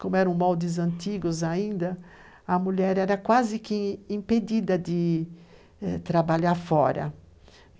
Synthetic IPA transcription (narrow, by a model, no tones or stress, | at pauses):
kõmʊɛɾɐ̃w̃mawd̪ɪzɐ̃nt̪iɡʊzaĩnd̪ɐ | ɐmuʎɛɾɛɾɐkwazɪkɪĩmped̪id̪ɐd̪ɪ | ɛt̪ɾabaʎaɾfɔɾɐ̰